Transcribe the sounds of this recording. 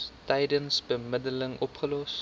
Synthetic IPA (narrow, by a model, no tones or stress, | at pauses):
tɛjdənsbəmɪdələŋʔɔpχəlɔs